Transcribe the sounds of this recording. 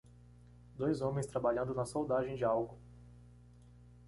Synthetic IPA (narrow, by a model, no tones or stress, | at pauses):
d̪ojzõmẽj̃st̪ɾabaʎɐ̃nd̪ʊnɐsowd̪aʒẽj̃d͡ʒɪawɡʊ